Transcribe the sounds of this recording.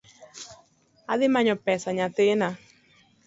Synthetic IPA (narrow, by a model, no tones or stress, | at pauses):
aðimaɲɔpɛsaɲãt̪ɪna